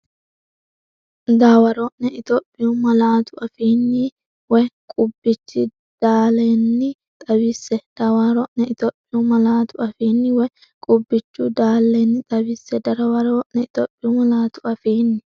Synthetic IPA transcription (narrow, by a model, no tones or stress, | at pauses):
d̪aːwɐɾɔʔnɛɪt̪opʼːɪjʊmɐlaːt̪ʰʊʔɐfiːnːɪ | wɔjkʼʊbːɪt͡ʃːɪ | d̪̥aːleːnːɪ | t̪ʼɐβɪsːɛd̪̥aːwaːɾɔʔnɛɪt̪oːpʼːɪjumɐlaːt̪ʊɐfiːnːɪwɔj | kʼʊbːɪt͡ʃːʊd̪aːlːeːnːɪt̪ʼɐbɪsɛd̪ɐɾɐwɐɾoʔnɛɪt̪oːpʼːɪjʊmɐlaːt̪ʊɐfeːnːɪ